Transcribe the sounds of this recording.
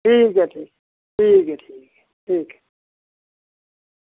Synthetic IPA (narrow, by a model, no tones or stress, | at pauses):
ʈʰiːkɛʈʰiːk̚ | ʈʰiːkɛʈʰiːkɛ | ʈʰiːkɛ̥